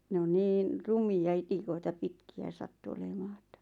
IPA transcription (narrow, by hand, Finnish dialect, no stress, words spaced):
ne on niːn rumiɑ itikoitɑ pitkiæ sɑtːu olemɑː e̥tːæ̥